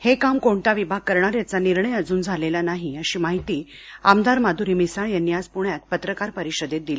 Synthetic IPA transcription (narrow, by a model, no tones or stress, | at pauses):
hekamkoɳt̪aʋibʱaɡ̚kəɾɳaɾjat͡saniɾɳəjəd͡zuːnd͡zʱalelanaɦiəɕiːmaɦit̪iː | a̰md̪aɾmad̪ʱuɾimisaɭjanjad͡zpuɳjat̪̚pət̪ɾəkaɾpəɾiɕəd̪et̪̚d̪ili